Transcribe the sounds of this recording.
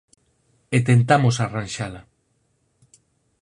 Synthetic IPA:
et̪ent̪amosaranʲʃala

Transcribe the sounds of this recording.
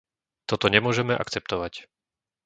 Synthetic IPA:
t̪ɔt̪ɔɲɛmʊɔʒɛmɛʔa̰kt͡sɛp̚t̪ɔʋac

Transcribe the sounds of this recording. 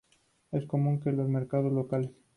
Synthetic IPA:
e̞sko̞mũŋkelo̞zme̞ɾkað̞o̞zlo̞kales

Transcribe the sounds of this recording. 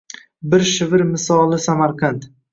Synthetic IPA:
bɪɾʃɪvɪɾmɪsɒlˠɪsamaɾqʰɑnt̪

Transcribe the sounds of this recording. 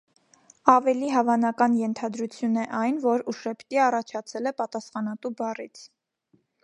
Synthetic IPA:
ɑvɛliɦɑvɑnɑkɑnjɛnt̪ʰɑd̪ɾut͡sʰjunɛʔɑjnvɔɾuʃɛpʰt̪iɑrɑt͡ʃʰɑt͡sʰɛlɛpɑt̪ɑsχɑnɑt̪ubɑrit͡sʰ

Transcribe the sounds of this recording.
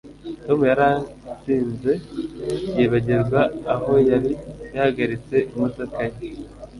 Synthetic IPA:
to̞mujaɾat͡siːnze̞ | je̞ːβaɟezɡwaːho̞jaɾijahaɡaɾit͡se̞ʔimutakaje

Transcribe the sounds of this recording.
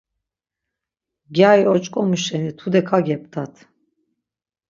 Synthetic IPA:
ɡʲajɔt͡ʃʼkʼɔmyʃɛnit̪ʰud̪ɛkʰaɡɛp̚t̪ʰat̪ʰ

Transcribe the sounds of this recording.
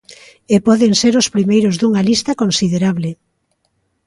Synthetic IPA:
epɔðeŋseɾʊspɾimejɾʊzðuŋalist̪ɐkonsiðeɾaβle

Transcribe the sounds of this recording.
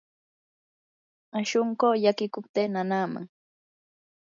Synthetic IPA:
aʃʊɴkoːʎakɪkʊp̚t̪eːnanaːma̰ŋ

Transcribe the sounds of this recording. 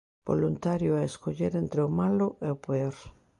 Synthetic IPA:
b̥o̰lunt̪aɾjoaeskoʎeɾent̪ɾeomaloʔeopeoɾ

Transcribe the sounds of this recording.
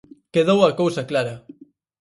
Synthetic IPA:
keðowɐkowsɐklaɾɐ

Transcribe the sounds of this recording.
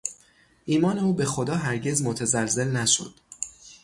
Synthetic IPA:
ʔiːmɒːne̞uːbe̞xo̞d̪ɒːɦæɾɟe̞zmot̪ʰæzælze̞lnæʃo̰d̪̥

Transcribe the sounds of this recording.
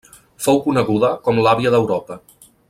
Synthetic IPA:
fowkunəɣuðəkɔmlaβiəðəwɾɔpə

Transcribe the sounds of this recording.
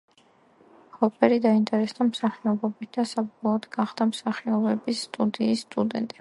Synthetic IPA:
kɔpʼɛɾid̪aint̪ʼɛɾɛsd̪amsaχiɔbɔbit̪̚ʰd̪̥asabɔlˠɔːd̪ɡaχd̪̥amsaχiɔbɛbisːt̪ʼud̪iːsːt̪ʼud̪ɛ̰nt̪ʼɛ

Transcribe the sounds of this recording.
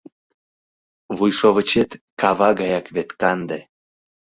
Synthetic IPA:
βujʃoβət͡ɕet̪kɑβɑɣɑjɑkβet̪kɑnd̪e

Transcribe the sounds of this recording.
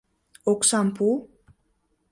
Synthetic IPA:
oksampu

